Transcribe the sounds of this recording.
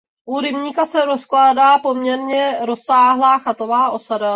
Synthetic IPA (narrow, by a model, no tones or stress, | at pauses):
ʔuɾɪmɲiːkasɛɾo̞sklaːdaːpo̞mɲɛɾɲɛɾo̞saːɦlaːxat̪o̞vaːʔo̞sada